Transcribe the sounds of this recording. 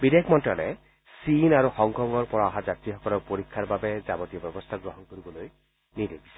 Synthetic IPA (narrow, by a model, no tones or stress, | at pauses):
bid̪ekʰmɔnʈɹale | sinaɾuxɔŋɡʰʱɔŋɔɾpɔɾɔaɦad͡ʒat̪ɾiɦɔkɔlɔɾpoɾikʰːaɾbabed͡ʒabɔt̪ijɔbɛbɔst̪ʰaɡɾɔɦɔnkoɾibɔloj | nidebisa